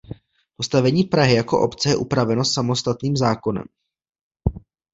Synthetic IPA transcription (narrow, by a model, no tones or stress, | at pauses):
po̞st̪avɛɲiːpɾaɦɪjako̞ʔo̞̰pt͡sɛjɛʔupɾavɛno̞samo̞st̪at̪niːmzaːko̞nɛ̰m